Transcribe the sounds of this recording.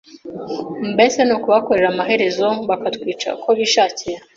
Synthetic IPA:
mbe̞senukuβako̞ɾe̞ɾamaɦe̞ɾe̞zo̞βakatkwiːt͡ʃa̰kʰo̞βiːʃaːciɾa

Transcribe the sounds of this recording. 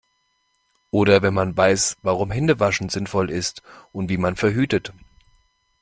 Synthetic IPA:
ʔoːɾɐvɛnmanvaɪsvaʁʊmɦɛndəvaʃn̩zɪnfɔlɪstʔʊntv̥iːmanfɛɐɦyːtət

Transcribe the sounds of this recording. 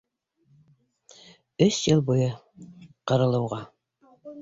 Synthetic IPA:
ɵsjɤlˠbujɤ | qɤ̆ɾɤ̆lˠɤ̆wʁɑ

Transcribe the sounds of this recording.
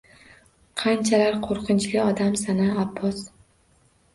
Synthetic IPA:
qʰɑnt͡ʃʰalaɾqʰoɾqʰɨnt͡ʃlɪɒd̪amsanaːbːɒs

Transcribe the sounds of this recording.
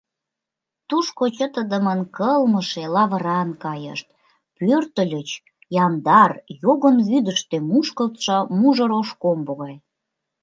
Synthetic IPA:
t̪uʃkot͡ɕət̪əd̪əmənkəlməʃelɑβəɾɑnkɑjə̰ʃt̪̚ | pørt̪əlʲət͡ɕ | jɑnd̪ɑrjoɣənβyd̪əʃt̪emuʃkəlt̪ʃɑmuʒə̆ɾoʃkomboɣɑj

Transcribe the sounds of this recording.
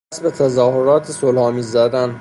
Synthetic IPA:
sbet̪ʰæzɒːhoɾɒːt̪ʰesolhɒːmiːzːæd̪æn

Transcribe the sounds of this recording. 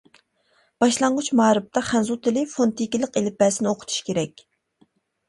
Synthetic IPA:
b̥ɑʃlˠɑɴʁʊt͡ʃmɑːɾɨp̚t̪ʰɑχɛnzut̪ɪlɪfont̪ʰikʲilˠəqelɪpɛːsɪnɪoqʰt̪ʰu̥ʃkʲeɾɛkʲ

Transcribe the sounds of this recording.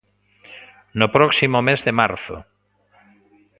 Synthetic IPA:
nʊpɾɔksimʊmezðemaɾθʊ̰

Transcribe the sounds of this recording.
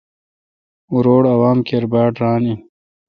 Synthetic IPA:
uɾoːɽɐwaːmkʰeɾbaːʈɾaːni

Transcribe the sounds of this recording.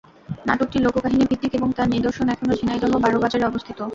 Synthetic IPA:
naʈok̚ʈilokokaɦinibʱid̪ːikeboŋt̪aɾned̪oɾʃonɛkʰonod͡ʑʱinajd̪ɔɦobaɾobad͡ʑaɾeɔbost̪ʰit̪o

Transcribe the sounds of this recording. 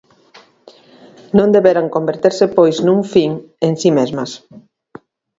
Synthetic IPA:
nõnd̪eβeɾaŋkombeɾt̪eɾsɪpojznũŋfiŋ | eŋsimezmɐs

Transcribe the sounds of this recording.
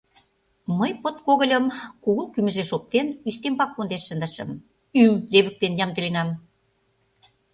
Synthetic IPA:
məjpot̪̚koɣə̆lʲə̆mkuɣukymə̆ʒeʃop̚t̪enyʃt̪empɑk̚pond̪eʃːə̆nd̪əʃə̰̆m | ymleβə̆k̚t̪enjɑmt̪ə̆lenɑm

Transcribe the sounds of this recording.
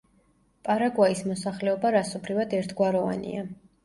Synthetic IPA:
pʼaɾaɡwaismɔsaχlɛɔbaɾasɔbɾivad̪ɛɾt̪ʰɡwaɾɔva̰nḭa

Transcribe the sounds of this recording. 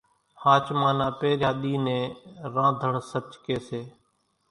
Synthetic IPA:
haːt͡ʃmãːnaːpeːɾjaːɗiːnẽːɾãːd̪ʱəɳsət͡ʃkeːseː

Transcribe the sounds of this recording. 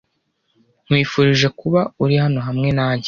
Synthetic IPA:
ŋ̥wiːfuɾiʒe̞kuβauɾihano̞ɦamŋe̞naːɲɟe

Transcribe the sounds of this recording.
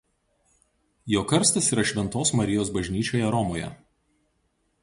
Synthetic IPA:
joːkɐɾʲsʲt̪ʲɪsiːɾɐʃʲʋʲɛnt̪oːsmɐɾʲɪjoːsbɐʒʲnʲiːt͡ʃʲoːjɛɾɔmoːjɛ̰

